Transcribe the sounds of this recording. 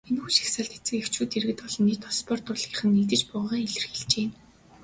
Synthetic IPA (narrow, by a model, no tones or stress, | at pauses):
enxuːʃi̥xsaːɮt̪et͡sɘ̆kew̥t͡ɕuːt̪eɾɘ̆ɘ̆t̪pɔɮɞ̆nːit̪ɔspɔr̥t̪ʊɮiːχɘ̆nːit̪̬ɘ̆t͡ɕpʊʁʁaːŋeɮɘ̆rxeɮt͡ɕeːm